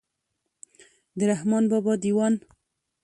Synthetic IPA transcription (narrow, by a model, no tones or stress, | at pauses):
d̪əɾahmɑnbɑbɑd̪iwɑn